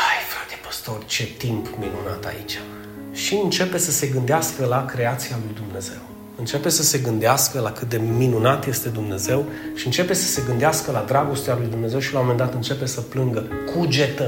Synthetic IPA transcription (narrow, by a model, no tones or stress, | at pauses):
ajfɾad̪epə̥st̪o̞rt͡ʃe̞t̪impminuna̰t̪a̰ḭt͡ʃʲḁ | ʃiɨnt͡ʃe̞pe̞səse̞ɡɨnd̪easkəlakɾe̞at̪sialujd̪umne̞ze̞w | ɨnt͡ʃe̞pe̞səse̞ɡɨnd̪easkəlakɨt̪̚d̪e̞minunat̪je̞st̪e̞d̪umne̞ze̞wʃiɨnt͡ʃe̞pe̞sə̥se̞ɡɨnd̪easkəlad̪ɾaɡo̞st̪ealujd̪umne̞ze̞wʃilawmome̞nd̪at̪ɨnt͡ʃe̞pe̞səplɨŋɡəkʰud͡ʒet̪ə